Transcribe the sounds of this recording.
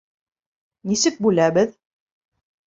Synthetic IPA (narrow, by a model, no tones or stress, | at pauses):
nisɘk̚bʉlæβɘð